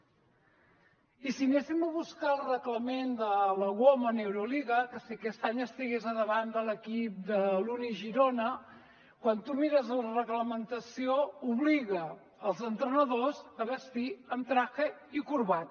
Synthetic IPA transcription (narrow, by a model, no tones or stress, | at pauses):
isinesiməβ̞uskalˠrəkləmend̪ələɣwomənewɾuliɣəkəsiəkɛst̪aɲəst̪iɣezəðəβand̪ələkip̚d̪əluniʒiɾonə | kwant̪umiɾəzlərəɣləmənt̪əsiouβliɣəː | lˠzənt̪ɾənəðozəβəst̪iəmt̪ɾaxeikuɾβat̪̚